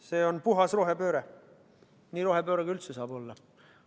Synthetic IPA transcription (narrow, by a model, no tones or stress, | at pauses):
se̞ːo̞npuɦɑsroɦepø̞ːɾe | niːɾo̞ɦepø̞ːɾeɡ̥ylt̪sesɑːbo̞lːɑ